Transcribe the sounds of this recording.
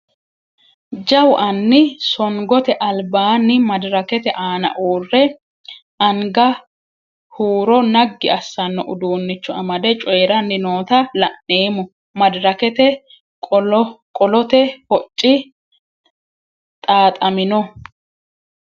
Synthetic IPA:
d͡ʒɐwʔɐnːɪsɔŋɡɔt̪ɛʔɐlbaːnːɪmɐd̪ɾɐkɛt̪ɛʔaːnɐ̰ʔuːrːɛ | ɐŋɡɐ | huːɾɔnɐɡːɪʔɐsːɐnːɔʔʊd̪uːnːɪt͡ʃːɔɐmɐd̪ɛt͡ʃʼɔjɛɾɐnːɪnoːt̪ɐlɐnneːmʊ | mɐd̪ɾɐkɛt̪ɛ | kʼɔlɔt̪ɛhɔt͡ʃʼːɪ | t̪ʼaːt̪ʼɐmɪnɔ

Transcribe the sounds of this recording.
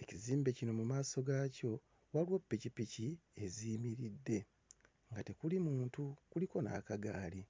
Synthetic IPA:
e̞ciziːmbe̞cino̞mumaːso̞ɡaːco̞ | walwopːicipiciezimiɾidːe̞ | ŋɡate̞kulimuːntukuliko̞na̰ːkaɡaːli

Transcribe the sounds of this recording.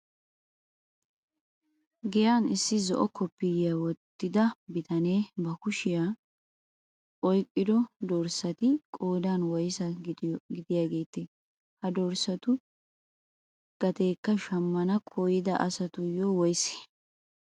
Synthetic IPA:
ɡɛjaːnɪsːɪzɔʔɔkʰɔpːɪjɪjawɔt̪ːɪd̪ɐbɪt̪ɐne̞ːbɐkʊʃɪja | ʔɔjkʼːɪd̪ɔd̪ɔɾsɐt̪ɪkʼoːd̪aːnwɔjsɐɡɪd̪ɪjaːɡe̞ːt̪ːɪ | hɐd̪ɔɾsɐt̪ʊ | ɡ̥ɐt̪e̞ːkːɐʃɐmːɐnɐkʼʰojɪd̪ɐʔɐsɐt̪ʊjɔwɔjsɛ̥

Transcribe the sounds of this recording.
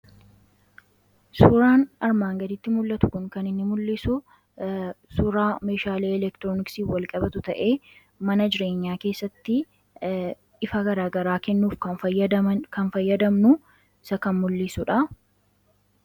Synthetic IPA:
sʊɾaːnɐɾmaːŋɡɐd̪ɪt̪ːɪmʊlːɐt̪ʊ̥kʊŋkɐnɪnːɪmʊlːɪsʊ | sʊɾaːme̞ːʃaːleːɛlɛkt̪ɪɾoːnɪksiːfwɐlkʼɐbɐt̪ʊt̪ɐʔe̞ː | mɐnɐd͡ʒɪɾe̞ːɲːaːke̞ːsːɐt̪ːɪ | ʔɪfɐɡɐɾaːɡɐɾaːkɛnːuːfkɐ | kɐnfɐjːɐd̪ɐmnʊ | ɪsɐkɐnmʊlːɪsʊᶑɐ

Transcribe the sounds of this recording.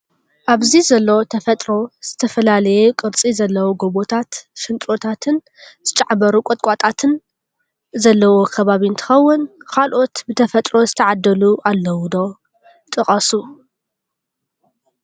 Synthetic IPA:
ʔaβzizɐlːɐwt̪ʰɐfɐt̪ʼɾo̞z̥ɨt̪ʰɐfɐlalɐjukʼɨɾt͡sʼizɐlːɐwuɡo̞βo̞t̪ʰat̪ʃɪnt͡ʃ̪ʼɾo̞t̪ʰat̪ʰɨn | z̥ɨt͡ʃʼaʕbɐɾukʼot̪ʼkʼat̪ʼat̪ʰɨn | zɐlːɐwo̞kʰɐβaβiɨnt̪ʰɨ̥xɐwːʊnkʰalʔo̞t̪bɨt̪ʰɐfɐt̪ʼɾo̞zɨt̪ʰɐʕad̪ːɐluʔalːɐwud̪o̞ | t̪ʼɨχʼɐsu

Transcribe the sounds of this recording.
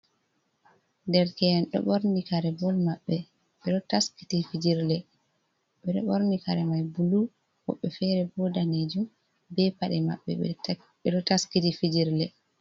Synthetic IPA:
ndɛɾkɛɛnɗɔ̰ɓoɾnikaɾɛbɔlmaɓːɛ | ɓɛɗɔtaski̥tifid͡ʒiɾlɛ | ɓɛɗɔ̰ɓɔɾnikaɾɛmajbulu | hɔ̰ɓːɛfɛɾɛbɔdaned͡ʒum | bɛpaɗɛma̰ɓːɛ̰ɛ | ɓɛɗɔtaskitifid͡ʒiɾlɛ

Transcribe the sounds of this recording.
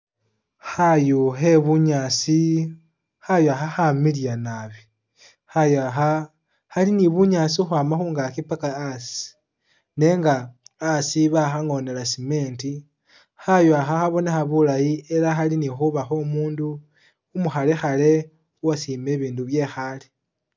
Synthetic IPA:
xajuxe̞βuɲasi | xajoaxaxamiljanaβi | xajaxa | haliniβuɲasixwaːmaxuːŋɡakipakaasi̥ | ne̞ŋɡaːsiβaxaŋo̞ne̞lasime̞ːnti | xajuaxaxaβo̞nexaβulajie̞laxalinixuβaxo̞muːnduː | muxale̞xale̞ | uwasiːme̞βiːnduβje̞xale

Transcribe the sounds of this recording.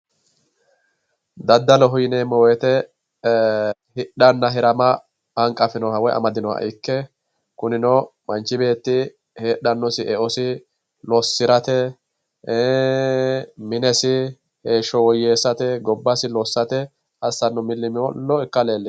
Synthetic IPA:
d̪ɐd̪ːɐlɔɦʊjɪnemːɔwɔjt̪ɛ | hɪɗɐnːɐɦɛɾɐmɐ | ɐŋkʼɐfɪnɔhɐwɔjɐ̰mɐd̪ɪnɔhɐ̰ʔɪkːɛ | kʊnɪnɔmɐnt͡ʃːɪbe̞ːt̪ːɪ | heːɗːɐnːɔsɪʔɛʔɔsɪ | lɔsːɪɾɐt̪ɛ | mɪnɛsɪ | heːʃɔwɔjeːsːɐt̪ɛɡɔbːɐsɪlɔsːɐt̪ɛ | ɐsːɐnːʊmɪlːɪmɪwɔlɔɪkːɐle̞ːlːɪ

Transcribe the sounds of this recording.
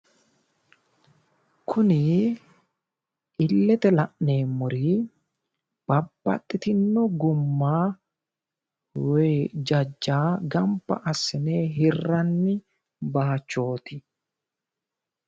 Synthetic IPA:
kʰʊnɪ | ʔɪlːɛt̪ɛlɐʔne̞ːmːʊɾi | b̥ɐbːɐ̰t̪ʼːɪt̪ɪnːɔɡʊmːaː | weːd͡ʒɐd͡ʒːaːɡɐmpːɐ̰ʔɐsːɪneːɦɪrːɐnːɪ | baːt͡ʃːo̞ːt̪ɪ

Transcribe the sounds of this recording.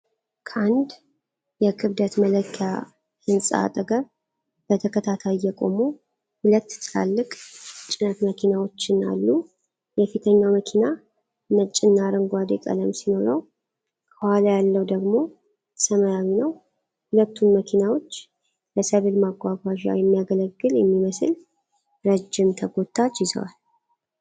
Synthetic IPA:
kʰəand̪ | jɛkʰɨβd̪ət̪mələkʰːja | hɨnsʼa̰a̰t̪ʼəɡəɾ | b̥ət̪ʰəkʰət̪ʰat̪ʰajjɛkʼo̞̰mu | hʊlət̪ːt̪ʰla̰lːɨkʼt͡ʃʼɪnət̪məkʰinawo̞t͡ʃːɪna̰lːu | jɛfit̪ʰəɲːawməkʰina | mət͡ʃʼːɪnːaɾəŋɡʷad̪ḛkʼə̰ləmsino̞ɾəw | kʰəhalajalːəwd̪əɡmo̞ | tʰə̥səməjawinəw | hulət̪ʰːunməkʰinawo̞t͡ʃː | ləsəβɨlmaɡʷaɡʷaʒa̰jɛmːijaɡələɡːɨljɛmːiməsɨl | ɾəd͡ʒːɪmt̪ʰəɡo̞t̪ʰʼːat͡ʃjɪzə̰wa̰l

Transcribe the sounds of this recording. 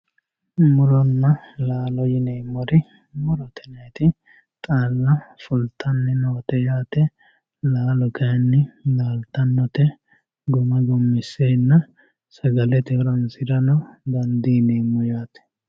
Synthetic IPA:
mʊɾɔnːɐlaːlɔjɪneːmːɔɾɪ | mʊɾɔt̪ʰɛnɐjt̪ɪ | t̪ʼaːlːɐfʊlt̪ʰʼɐnːɪnoːt̪ɛjaːt̪ɛ | laːlɔkɐjnːɪlaːlt̪ɐnːɔt̪ɛ | ɡɔmɐɡɔmːɪsːenːɐ | sɐɡɐlɛt̪ɛɔɾɐnsɪɾɐnɔɡɐnd̪iːneːmːɔjaːt̪ɛ̥

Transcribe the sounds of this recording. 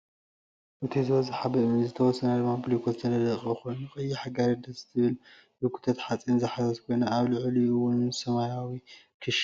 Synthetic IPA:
ʔɨt̪ʰizɨβɐzɨħabɐʔmɨnzɨt̪ʰɐwɔsːɐnɐd̪ɨmaplikʰozt̪ʰɐnɐd̪ɐχʼixojnuxʼɐjiħaɡaɾɐd̪ɐzɨ̥t̪ʰɨβɨl | bɨkʰu̥t̪ʰɐt̪ħat͡sʼinzɨħazɐzkʰojnɐaβlɨʕliɨwʊnsɐmajawi | kʰɨʃ

